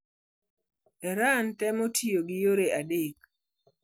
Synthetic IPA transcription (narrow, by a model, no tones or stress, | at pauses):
ɛɾantɛmotʰijoɡɪjoɾeadek